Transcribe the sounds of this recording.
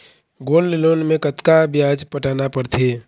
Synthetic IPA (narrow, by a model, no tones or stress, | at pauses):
ɡoːllɪloːnmẽkət̪kabjaːd͡ʒpəʈaːnapəɾt̪ʰeː